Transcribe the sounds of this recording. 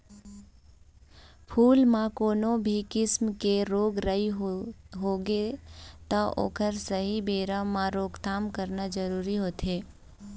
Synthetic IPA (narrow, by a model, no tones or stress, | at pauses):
pʰuːlmãkoːnõbʱikɪsmkeɾoːɡɾəiɦɦoːɡet̪ɔʔo̰ːkəɾsəɦibeːɾaːãɾoːɡt̪aːmkəɾnad͡ʒəɾuːɾiɦoːt̪eː